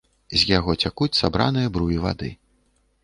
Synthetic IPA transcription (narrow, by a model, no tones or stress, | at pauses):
zʲjaɣɔt͡sʲakut͡sʲsabɾa̰nɨjɐbɾujiva̰d̪ɨ̰